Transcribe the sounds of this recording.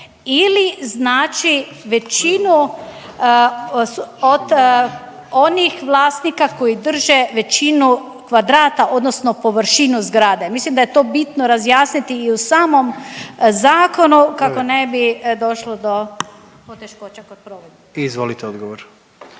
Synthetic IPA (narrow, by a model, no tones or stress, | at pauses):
iliznaːt͡ʃi | ʋe̞t͡ʃinu | sod̪ | onixʋlˠaːst̪nikako̞jid̪r̩ʒe̞ʋe̞t͡ʃinu | kʋad̪ɾaːt̪aʔo̞d̪no̞sno̞po̞ʋɾʃinuzɡɾaːd̪emislimd̪aje̞t̪o̞ːbit̪noɾazjaːsnit̪iːusaːmo̞mzaːko̞nukakonebid̪o̞ʃlod̪o̞ | po̞t̪e̞ʃko̞ːt͡ɕakod̪̚pɾoːʋod̪beiizʋolit̪eod̪ɡoʋoɾ